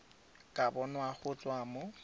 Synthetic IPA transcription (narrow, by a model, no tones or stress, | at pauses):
kʼabɔnwaχʊt͡sʼwamʊ